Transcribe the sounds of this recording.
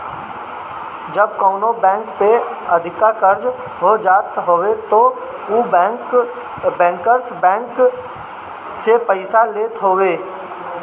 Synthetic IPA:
d͡ʒəb̚koːnobɛ̃ːŋkpeəd̪ʱɪkakəɾd͡ʒ | ɦod͡ʒaːt̪ɦoːwet̪o | uk | bɛ̃ːkəɾsbɛ̃ːŋk | sepəɪsaleːt̪ɦoːweː

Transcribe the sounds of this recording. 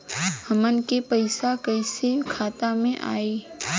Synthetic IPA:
hɐmənkepɐɪsakɐɪsekʰaːt̪amẽʔa̰ːiː

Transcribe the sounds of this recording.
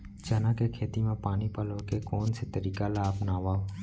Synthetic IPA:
d͡ʒənãːkekʰeːt̪imãːpaːnipəlokekoːnset̪əɾiːkalaːpnaːʋaːo

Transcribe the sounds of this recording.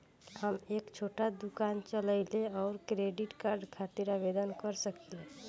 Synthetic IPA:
həmeːkt͡ʃʰoːʈad̪ukaːnt͡ʃələɪleɔːɾkɾeɖiʈkaːɾɖkʰat̪iɾaʋed̪ənkəɾsəkele

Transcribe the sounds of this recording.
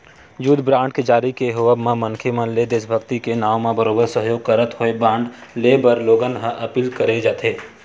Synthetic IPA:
juːd̪bɾãːɳʈ̚ked͡ʒaːɾikeɦoʋəbmãmɐnkʰemə̃nled̪eːsbʱəkt̪ikenaːʋmãbəɾoːbəɾsəɦjoːɡ̚kəɾət̪ɦoebɾãːɳɖleːbəɾloːɡənɦəʔɐpiːlkɐɾed͡ʒaːt̪ʰeː

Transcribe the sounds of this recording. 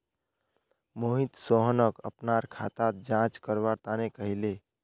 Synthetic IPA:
moɦĩt̪soɦənəkəpnaɾkʰat̪at̪̚d͡ʒãt͡ʃkəɾbaɾt̪anekəɦile

